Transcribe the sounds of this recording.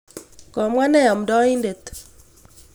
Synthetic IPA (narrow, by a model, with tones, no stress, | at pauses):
kɔ˨mwa˦nɛ˦˨ɔ˨mdɔ˦i˦nde˨t